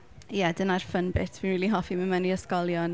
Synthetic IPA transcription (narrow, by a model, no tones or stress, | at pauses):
jɛdənarfənbɪtʰviːnriːlˠiɦɔfiməməniəskɔlˠjɔn